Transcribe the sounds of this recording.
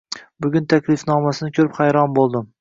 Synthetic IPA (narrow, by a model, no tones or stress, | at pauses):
bʊɡʲʊnt̪ʰakʲʰlɪfnɒmasɪnɪkʲʰɵɾɪphajɾɒnbolˠd̪ɪm